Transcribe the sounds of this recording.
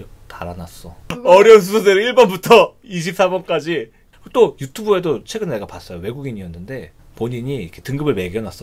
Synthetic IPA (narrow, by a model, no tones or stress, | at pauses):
taɾanas͈ʌʌɾjʌns̬ʰusʰodeɾɯiɭbʌnbutʰʌiɕ̬ʰip̚s͈abʌnk͈ad͡ʑi | kt͈ojutʰubue̞dot͡ɕʰwe̞ɡɯnneɡapas͈ʌjowe̞ɡuɡiɲiʌnːɯnde̞ | poɲiɲiikʰetɯŋɡɯbɯɭme̞ɡjʌnas͈ʌ